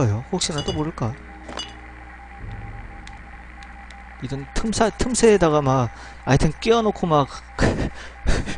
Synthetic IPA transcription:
ʌjohok̚ɕ͈inat͈oboɾɯɭk͈ajo | id͡ʑʌntʰɯmsʰatʰɯmsʰeːdaɣamaɡ | aitʰɯnk͈iʌnokʰomak̚

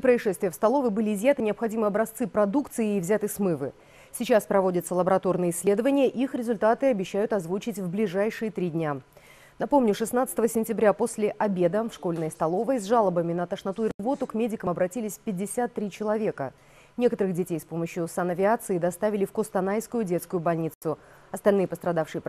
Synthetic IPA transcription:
pɾəɪʂɛst̪vʲɪjəfst̪ɐlˠo̞vəbɨlʲɪːzʲjat̪ɨnʲɪɐpxɐdʲimɨjɐbɾɐst̪sɨpɾɐd̪ukt̪sɨɪːvzʲat̪ɨsmɨvɨ̰ | sʲɪt͡ɕaspɾɐvo̞dʲɪt̪səlˠəbəɾɐt̪o̞rnɨjəɪsʲːlʲe̞d̪əvənʲɪjəʔixɾʲɪzʊlʲt̪at̪ɨɐbʲɪɕːæjʊt̪ɐzvut͡ɕɪtʲvblʲɪʐajʂɨjət̪ɾʲidʲnʲa | nɐpo̞mnʲʊʂɨsn̪at̪sə̥t̪əvəsʲɪnʲtʲɪbɾʲapo̞sʲlʲɪʔɐbʲe̞d̪əfʂko̞lʲnəjəst̪ɐlˠo̞vəjzʐalˠəbəmʲɪnət̪əʂnɐt̪uɪrvo̞t̪ʊkmʲedʲɪkəmɐbɾɐtʲilʲɪsʲfpʲɪdʲːɪsʲat̪ːɾʲit͡ɕɪlˠɐvʲe̞kə̰ | nʲe̞kət̪əɾɨɣdʲɪtʲejspo̞məɕjʊsanɐvʲɪat̪sɨɪd̪ɐst̪avʲɪlʲɪfkost̪ɐnajskʊjʊdʲe̞t̪skʊjʊbɐlʲnʲit̪sʊ | ɐst̪ɐlʲnɨjəpəst̪ɾɐd̪afʂɨjəp

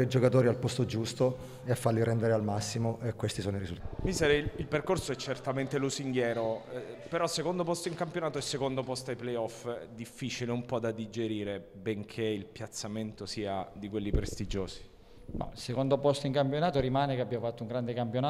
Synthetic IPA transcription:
ɾed͡ʒokat̪oːɾialpɔst̪od͡ʒust̪o | eafːaliɾɛnd̪eɾealmasːimoʔekwest̪isoːnoiɾizult̪ːmisɛɾeilperkorsoɛt͡ʃːert̪ament̪elusiŋɡjɛːɾopeɾɔsːekond̪opɔst̪oiŋkampjonaːt̪oɛsːekond̪opɔst̪ajplejɔfd̪ifːiːt͡ʃileumpɔd̪ad̪id͡ʒeɾiːɾebeŋkʰeilpjat̪sːament̪osiːad̪ikwelːipɾest̪id͡ʒoːsi̥ | nɔ̰sekond̪opɔst̪iŋkampjonaːt̪oɾimaːnekeabːjafat̪ːouŋɡɾand̪ekampjonaː

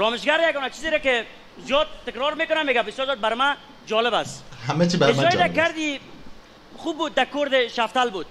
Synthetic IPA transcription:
ɾɔmɪʃɡaɾjaɡɔnat͡ʃizeɾakɪ | zijɔd̪̚t̪ːɪkɾɔɾmekʊnameːɡabɪsjɔɾzjɔt̪̚baɾɪma | d͡ʒɔlɪbashamet͡ʃibaɾed͡ʒɔjɾakaɾd̪i | χubːuːd̪̚ːakoɾd̪ɪʃaft̪albud̪̚

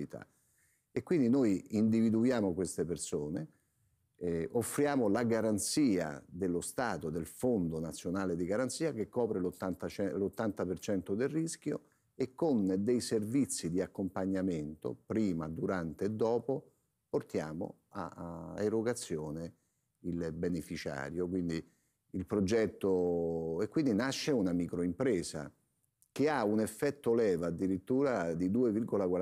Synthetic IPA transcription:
it̪ʰa̰ | ekːwind̪inojind̪ivid̪ujaːmokwest̪epersoːne | ofːɾjaːmolaɡaɾant̪siːa̰d̪elːost̪aːt̪od̪elfond̪onat̪sːjonaːled̪iɡaɾant̪siːakekːɔːpɾelot̪ːant̪at͡ʃɛlot̪ːant̪apert͡ʃɛnt̪od̪elrisk̟jo̰ | ekːond̪ejservit̪sːid̪iakːompaɲːament̪o̰pɾiːmad̪uɾant̪eːd̪ːɔːpo | port̪ja̰ːmo̰ | a̰eɾoɡat̪sːjoːne | ilbenefit͡ʃa̰ːɾjokwind̪i | ilpɾod͡ʒɛt̪ːoekːwind̪inaʃːeunamikɾoimpɾɛːsa̰ | k̟eaunefːɛt̪ːolɛːvad̪ːiɾit̪ːuːɾad̪id̪uːevirɡolakwa

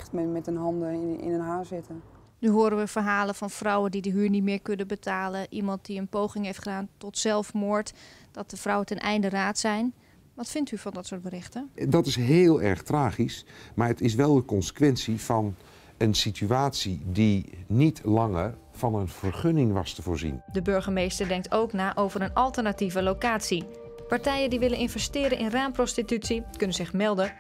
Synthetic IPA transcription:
tmmɛtənɦɑndəɪ̰nənɦaːszɪtə | nyɦoːɾənʋəvərɦaːləvɑnfrɔwəndidəɦyːɹnitmɪːɹkɵnəbətʰaːlənʔimɑnt̚diənpowχɪŋɦejftχədaːntɔtsɛlˠfmoːɹtd̥ɔt̚dəfrɔwətɛnʔɛjndəraːtsɛjn | ʋɑtfɪntyvɑndɔtsʊːɹt̚bərɪχtədɑtɪsɦeːlˠɛ̰ɹχtraːχismaːɹətɪs̬ʋɛlˠdəkɔnsə̥kʋɛnsiv̥ɑn | ənsityaːtsidinitlɑŋər | v̥ɑnənv̥əɹχɵnɪŋʋɑstəvoːɹzḭndəbøɹχəmejstəɹdɛŋktʰowknaːʔowvəɾənɑlˠtəɹnativəlowkaːtsi | paɹtɛjəndiʋɪlənɪnvɛstɪːɾənʔɪnraːmprɔstitytsikɵnənzɪχmɛlˠdə

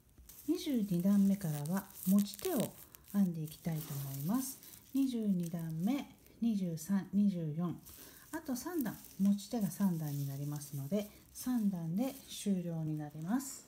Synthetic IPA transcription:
ɲ̟iʑɨːɲid̪ãmːe̞kaɾaβamo̞t͡ɕi̥t̪e̞o̞ | ãnd̪e̞ikʲi̥t̪ait̪o̞ːmo̞imasɨ̥ɲ̟iʑɨːɲ̟id̪ãmːe̞ | ɲ̟iʑɨːsãnɲiʑɨːjõ̞ŋ | at̪o̞sãnd̪ãŋ | mo̞t͡ɕi̥t̪e̞ɡasãnd̪ãɲ̟ːinaɾʲimasɨno̞d̪e̞ | sãnd̪ãnd̪e̞ɕɨːɾʲo̞ːɲ̟inaɾʲemasɨ̥

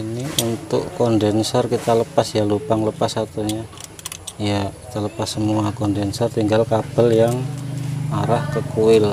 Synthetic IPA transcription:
iniʔunt̪ʊ̰ʔkɔndɛnsɔrkit̪aləpasjalupaŋləpasat̪uɲa | jakit̪aləpasːəmuakɔndɛnsɔrt̪iŋɡalkab̥əljaŋ | aɾahkəkuɪl

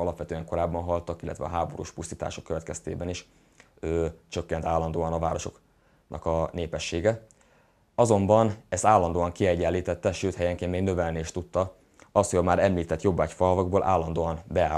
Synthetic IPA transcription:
ɒlɒpʋɛt̪øːɛŋko̞ɾaːbːɒnɦɒlt̪ɒkilːʔt̪vɛ̰ɒ̰ɦaːbo̞ɾṵːʃpust̪iːt̪a̰ːʃokːøvɛt̪kɛst̪ḛːbɛniʃ | øːt͡ʃø̞kːɛnt̪aːlːɒnd̪oːɒnɒvaːɾo̞ʃo̞̰k | nʔɒ̰kɒneːpɛʃːeːɡɛ | ɒzo̞mbɒnɛst̪aːlːɒnd̪oːɒŋkiɛɟːɛlːiːt̪ɛt̪ːɛʃøːt̪hɛjɛŋkeːnmeːɡ̪øvɛlniːʃt̪ut̪ːɒ | ɒst̪hojɒmaːɾɛmliːt̪ɛt̪jo̞bːaːcfɒɦɒvɒɡboːlʔa̰ːlːɒnd̪oːɒnbɛaː

